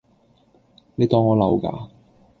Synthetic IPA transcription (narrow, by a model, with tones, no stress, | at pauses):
ne˨˧jt̪ɔː˨˧ŋːɔː˨˧lɐ˨˩wka̰ː˧